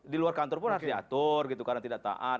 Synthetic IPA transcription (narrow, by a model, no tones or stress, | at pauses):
diluarkant̪ɔrpʊnhart̪iat̪ʊrɡit̪ukadaŋt̪idaʔ̚t̪a̰ʔat̪̚